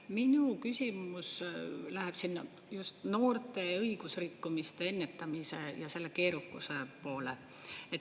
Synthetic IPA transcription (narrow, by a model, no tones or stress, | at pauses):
minukysʲimuslæɦeb̥sinːɑ | just̪no̞ːrt̪e̞ɤiɡ̥usrikːumist̪e̞e̞nːe̞t̪ːɑmise̞jɑse̞lːe̞ke̞ːɾukːˑuse̞po̞ːle̞̰ | et̪